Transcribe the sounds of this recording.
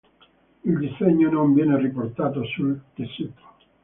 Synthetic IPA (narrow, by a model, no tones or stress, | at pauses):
ild̪iseɲːonoɱvjɛːneriport̪aːt̪osult̪esit̪o̥